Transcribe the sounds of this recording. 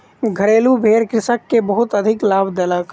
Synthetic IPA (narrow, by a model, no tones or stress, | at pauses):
ɡʱəɾeːlubʱeːɾkɾɪsəkːebəɦʊt̪əd̪ʱɪklaːbd̪elək